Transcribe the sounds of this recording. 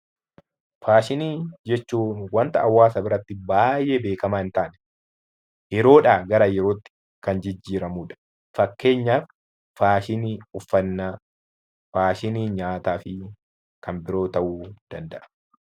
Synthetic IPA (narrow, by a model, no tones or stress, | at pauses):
faːʃɪniːd͡ʒɛt͡ʃːuːnwɐnt̪ɐɐwːaːsɐbɪɾɐt̪ːɪbaːjːeːbe̞ːkɐmaːɪnt̪aːnɛ̥ | jɛɾo̞ːᶑaːɡɐɾɐjɛɾo̞ːt̪ːɪ̥ | kɐnd͡ʒɪd͡ʒːiːɾɐmuːᶑɐ̥ | fɐkːe̞ːɲːaːf | faːʃɪniːʊfːɐnːa | faːʃɪniːɲaːt̪aːfɪ | kɐnbɪɾo̞ːt̪ɐʔuːd̪̥ɐnd̪ɐʔɐ̥